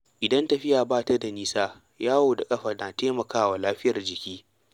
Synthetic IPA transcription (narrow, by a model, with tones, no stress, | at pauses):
ʔɪ˨dɐ˦ntɐ˨ɸɪ˦jaː˨baː˦˨tɐ˦da˨niː˦saː˦ | jaː˦woː˨da˨kʼɐ˦ɸaː˨naː˨teː˦mɐ˨kaː˦wa˨laː˦ɸɪ˦jɐ˨rd͡ʒɪ˨kʲiː˦